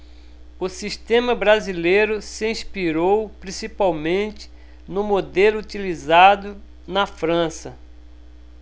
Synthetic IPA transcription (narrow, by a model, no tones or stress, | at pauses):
ʊsiʃt̪ẽmɐbɾazilejɾʊsɪĩspiɾowpɾĩsipawmẽt͡ʃ̪ɪ̥ | nʊmod̪elʊut̪ilizad̪ʊ | nɐfɾɐ̃sɐ